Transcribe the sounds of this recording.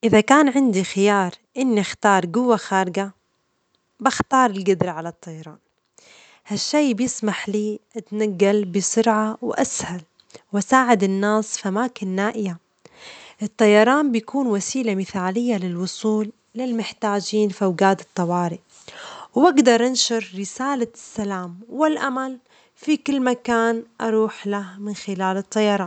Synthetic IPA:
ʔɪðakaːnʕɪnd̪ixɪjɑːɾˤʔɪnːixt̪ɑːɾˤɡʊwːaxaːɾɪɡa | baxt̪ɑːɾˤɪlɡʊd̪ɾaʕalat̪ˤːɑjɑɾˤɑːn | haʃːeːbjɪsmaħliːʔat̪naɡːalbɪsʊɾʕawʔashal | wʔasaːʕɪd̪ɪnːaːsfiʔamaːkɪnːaːʔɪja | ʔɨt̪ˤːɑjɑɾˤɑːmbjakuːnwasiːlamɪθaːlɪjːalɪlwʊsˤuːlː | ɪlmɪħt̪aːd͡ʒiːnfiʔawɡaːt̪ɨ̥t̪ˤːɑwɑːɾɪʔ | wʔaɡd̪ɑɾˤʔɪnʃɪɾˤɾɪsaːlasːalaːmwɪlʔamal | fikɪlːmakaːnʔɑɾˤuːħlahmɪnxɪlaːlɨt̪ˤːɑjɑɾˤɑːn

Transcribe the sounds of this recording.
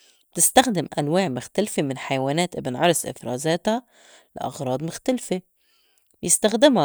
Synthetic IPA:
b̥t̪ɪst̪axd̪ɪmʔanwaːʕmʊxt̪alfemɪnħajawaːnæːt̪ʔɪbnʕɑɾˤsʔɪ̰fɾˤɑ̰ːzaːt̪a | lɪ̰ʔɑ̰ɣɾˤɑːd̪ˤmʊxt̪alfe | bjɪst̪axd̪ɪma

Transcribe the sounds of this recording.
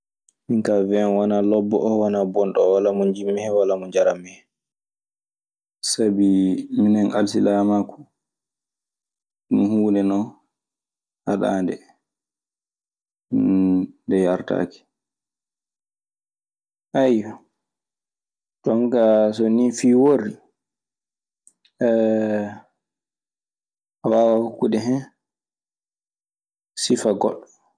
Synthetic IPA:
miŋkavɛnwanalɔbːɔ̰ʔɔwanabɔnɗɔwalamɔɲd͡ʒimːɛhɛwalamɔɲd͡ʒaɾamːɛhɛ | sabiminɛnalsilaːmaku̥ | mihuːnɛnɔ | haɗa̰ːndɛ | ndɛjaɾta̰ːki̥ | ʔajɔ | tɔŋkas̬onifiːwoɾi | awawahokːuɗɛɦɛ | sifaɡɔ̰ɗ

